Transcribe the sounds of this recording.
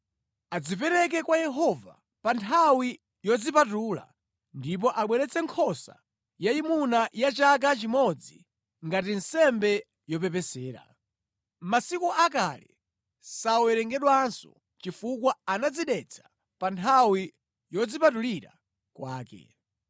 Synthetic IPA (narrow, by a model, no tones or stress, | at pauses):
ad͡zip̬ɛɾɛk̬ɛkwajɛɦɔva̰ | pantʰawi | jɔd͡zipatuːla̰ | ndip̬ɔʔaɓwɛɾɛt͡sɛŋkʰɔsa̰ | jaimunajat͡ʃak̬at͡ʃimɔd͡zḭ | ŋɡatin̩sɛmbɛ | jɔpɛp̬ɛsɛːɾa̰ | masikuʔakalɛ̰ | sawɛɾɛŋɡɛɗwansɔ̰ | t͡ʃifukwaanad͡ziɗɛt͡sʰḁ | pantʰawi | jɔd͡zipatuliɾa̰ | kwʔaːkɛ̰